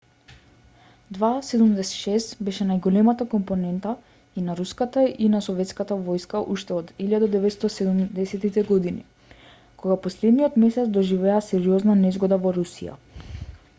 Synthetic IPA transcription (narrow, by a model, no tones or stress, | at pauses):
d̪vasɛd̪umd̪ɛsɛ̥t̪ʃɛst̪bɛʃɛnajɡɔlɛmat̪akɔmpɔnɛnt̪a | inaɾuskat̪ainasɔvɛt̪skat̪avɔjskaʔuʃt̪ɛɔd̪iʎad̪ad̪ɛvɛt̪st̪ɔsɛd̪umd̪ɛsɛt̪it̪ɛɡɔd̪inḭ | kɔɡapɔslɛd̪niɔt̪mɛsɛt̪sd̪ɔʒivɛasɛɾiɔznanɛzɡɔd̪avɔɾusḭja̰